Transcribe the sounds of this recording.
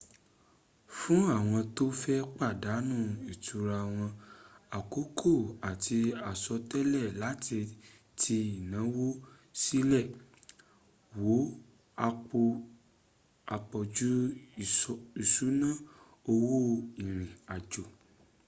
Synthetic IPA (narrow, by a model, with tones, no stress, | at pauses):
fũ˦a˦˨w̃ɔ̃˧to˦fɛ˦k͡pa˦˨da˨˦nũ˦˨i˨tʰu˨ɾa˧˨w̃ɔ̃˧a˨ko˨˦kʰo˦˨a˨ti˧a˨sɔ˧tɛ˦lɛ˦˨la˨˦ti˧ | tʰi˧i˨nã˨˦wo˦ | si˦lɛ˦˨ | wo˨˦ | a˧k͡po˧ | a˨k͡pɔ˨d͡ʒu˦˨ | i˦˨su˨˦nã˦˨ | o˧wo˦i˨ɾ̃ĩ˨a˨d͡ʒo˨